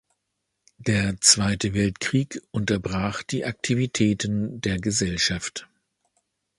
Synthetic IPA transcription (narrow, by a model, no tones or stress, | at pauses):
d̥eːɐt͡sv̥aɪtəvɛltkʁ̥iːkʔʊntɐbʁaːχd̥iːʔak̚tʰivitʰɛːtəndeːɐɡəzɛlʃaft